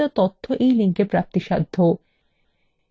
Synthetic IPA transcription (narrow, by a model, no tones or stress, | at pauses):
at̪ot̪ʰːoʔejliŋkepɾap̚t̪iʃad̪ʱːo